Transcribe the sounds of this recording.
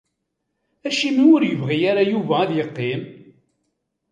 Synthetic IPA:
æʃimiʊɾjəvʁijaɾajuvæːðjəqːim

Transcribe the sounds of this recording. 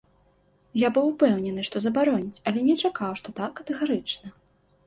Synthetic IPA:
jabɨwpɛwnʲɛnɨʂt̪ɔzɐbaɾɔnʲit͡sʲɐlʲɛnʲɛt͡ʂakawʂt̪ɔt̪akːɐt̪ɛɣaɾɨt͡ʂnɐ

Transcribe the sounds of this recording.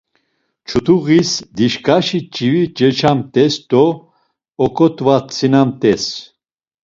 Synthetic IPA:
t͡ʃʰut̪uɣisd̪iʃkʰʼaʃit͡ʃʼivit͡ʃɛt͡ʃʰamt̪ʼɛst̪ɔ | ɔkʼɔt̪ʼvat͡sʰʼinamt̪ʼɛs

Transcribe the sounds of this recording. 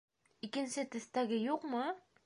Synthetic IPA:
ikɘ̆nsɘt̪ɵ̆θt̪æɡɘjuqmɤ

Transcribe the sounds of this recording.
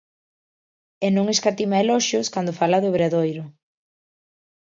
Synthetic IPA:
enõŋeskat̪imaelɔʃoskand̪ʊfalaðʊβɾeðojɾʊ

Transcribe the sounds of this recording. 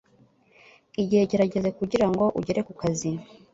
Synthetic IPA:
iɟihe̞ɟe̞ɾaɟe̞ze̞kuɟiɾaŋɡo̞ʔuɟe̞ɾe̞kukazi

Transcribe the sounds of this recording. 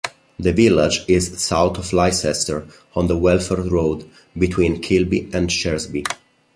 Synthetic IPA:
d̪əvilad͡ʒɪzsawt̪ɔflajsɛstəɹ | ɔ̃nd̪əwɛlfəɹɹoːd̪ | bit̪ʰwĩnkʰɪlbiɛ̃nʃɛɹzbi

